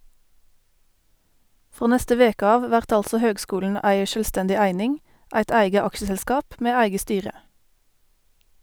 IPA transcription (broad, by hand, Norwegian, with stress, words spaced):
ˈfʁoː ˈnɛstə ˈʋeːk ˈɑːʋ ˈʋæʁt ˈɑlsɔ ˈhøːɡˌskuːln̩ ˈæɪ ˌʃøːlˈstɛndɪ ˈæɪnɪŋ ˈæɪt ˈæɪɡə ˈɑkʃəzɛlˌskɑːp ˈmeː ˈæɪɡə ˈstyːʁə